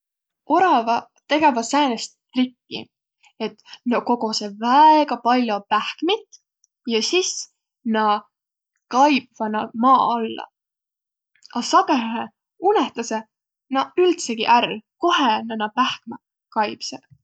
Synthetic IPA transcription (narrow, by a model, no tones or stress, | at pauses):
o̞ɾɑvɑ | t̪e̞ɡe̞vɑsæːnest̪ːrikːḭ | e̞t̪noko̞ɡ̥osevæeɡ̥ɑpɑlʲjopæhkmit̪ː | jɑsis | nɑ | kɑjb̥vɑnɑmɑːɑlːɑ̰ | ɑsɑɡ̥ehe | uneht̪ɑse | nɑylt̪seɡ̥iʔærlko̞ɦenɑnɑpæhkmɑ | kɑjb̥se̥